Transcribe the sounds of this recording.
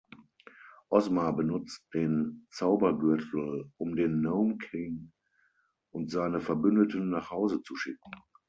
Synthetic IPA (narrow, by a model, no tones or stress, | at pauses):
ʔɔsmabənʊt͡st̚d̥eːnt͡saʊbɐɡʏɐtʰl̩ʔʊmdeːnːoʊmkʰɪŋ | ʔʊntz̥aɪnəfɛɐbʏndətənːaːχhaʊzət͡suʃɪk̚ŋ̩